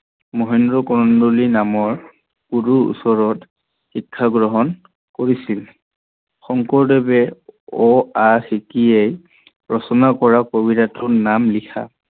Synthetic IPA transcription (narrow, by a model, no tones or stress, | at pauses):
mɔɦɛndɹɔkɔɹɔndulinamɔɹ | kuduṵsɔɹɔt | xikʰːaɡɹɔɦɔn | koɹisil | xɔŋkɔɹdɔbɛɔaxikiej | ɹɔsɔnakɔɹakobidatʊnamlikʰa̰